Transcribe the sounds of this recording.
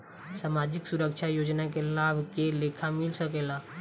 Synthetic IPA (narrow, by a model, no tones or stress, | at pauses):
saːmaːd͡ʒɪksʊɾəkʃʰajoːd͡ʒnakelaːbʱkeleːkʰamɪlsəkeːlaː